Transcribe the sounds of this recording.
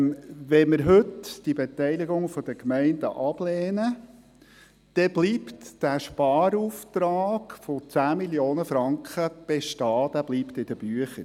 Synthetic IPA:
ʋɛməɾɦɵtd̥ibet̪ɛɪliɡʊŋfɔd̥̪əkmɛɪnd̥̪ə̰ʔɑb̥lɛːnə | d̪̥ɛb̥liːptd̥æʃpɑːɾuːft̪ɾɑːɡ̥fot͡sæːmiljoːnəfɾɑŋkχəb̥eʃtɑːd̥̪æb̥liːpt̪ɪd̥̪əb̥yəχəɾ

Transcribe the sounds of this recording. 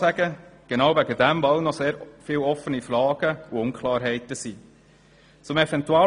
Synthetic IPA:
æɡ̥əɡ̥enɑwvæɡədæmvɑlnɔseːɾfɪːwɔfənifrɑːɡ̥əuʊnkʰlɑːɾɦɛɪtəsiː | t͡sʊmɛvɛntuɑ

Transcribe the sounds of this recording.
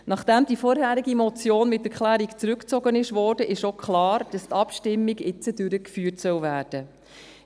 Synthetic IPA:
nɑχd̥æmd̥ifɔɾɦæːɾiɡimɔt͡sjoːnmɪtːɛɾklæːɾikt͡sɾʉkt͡sɔɡənɪʃvɔːɾdəʔɪʃokχlɑːɾd̥ɑstɑpʃtɪmːiɡɪt͡sədʉɾəkfyːrtsœwvæːɾd̥ə

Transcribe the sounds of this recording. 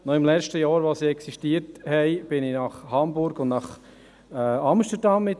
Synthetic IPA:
nɔɪmlɛt͡ʃtəjɑːɾʋɑsiɛksiʃtiəthɛɪb̥ɪnɪnɑχhɑmbʊɾɡʊndnɑχ | ɑmʃtəɾdɑmːɪt

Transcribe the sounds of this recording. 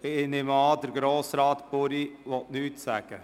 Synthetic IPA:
ɪnɪmɑːd̪əɾɡɾoːsɾɑːt̪pʊɾiʋɔtnyːtsæɡ̥ə

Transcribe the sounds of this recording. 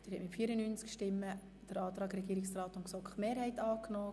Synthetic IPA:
d̥ɪːɾhɛtmɪtfiːɾənyːnt͡skʃtɪmːə | d̥əɾɑːt̪ɾɑːɡɾɛɡiːɾɪksraːt̪ʊnksɔkχmeːɾhɛɪtɑːknɔː

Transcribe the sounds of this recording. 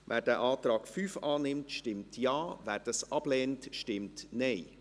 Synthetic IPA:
ʋʔæ̰ːɾdɛːʔɑːtɾɑːkfyːfɑːnɪmtʃtɪmtjɑːvæːɾd̥ɑsʔɑb̥lɛːntʃtɪmtneɪ

